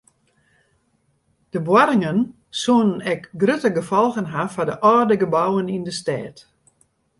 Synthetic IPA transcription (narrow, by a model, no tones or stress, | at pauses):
d̥əbwaɾɪŋən | suənənɛkɡrøtəɡəfɔlˠɣənɦafadəʔɔːrdəɡəbawənindəstɛːt